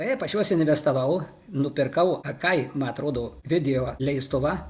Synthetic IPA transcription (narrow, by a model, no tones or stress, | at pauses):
ɐɛpɐʃʲjuɔsʲɪnʲʋʲɛst̪ɐʋɐʊ | nʊpʲɪrkɐʊɐkɐɪmɐnɐt̪ɾoːd̪oːʋʲɪd̪ʲɛjoːlʲɛɪst̪ʊʋɐ